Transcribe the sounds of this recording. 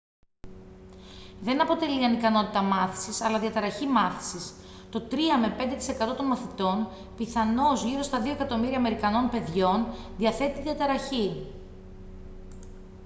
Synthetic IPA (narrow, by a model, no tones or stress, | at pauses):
ðe̞nɐpo̞t̪e̞liɐnikɐno̞t̪it̪ɐmɐθi̥sisɐlɐðiɐt̪ɐɾɐçimɐθi̥sis | t̪o̞t̪ɾiɐme̞pe̞nd̪et̪i̥se̞kɐt̪o̞t̪o̞nmɐθit̪o̞n | piθɐno̞zʝiɾo̞st̪ɐðio̞e̞kɐt̪o̞miɾiɐːme̞ɾikɐno̞npe̞ðʝo̞nðiɐθe̞t̪iðiɐt̪ɐɾɐçi